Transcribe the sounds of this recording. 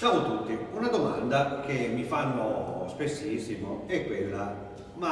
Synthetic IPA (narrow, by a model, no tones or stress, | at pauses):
t͡ʃaːmot̪ut̪ːiunad̪oma̰nd̪ak̟emːifanːospesːisːimoɛkːwelːa | ma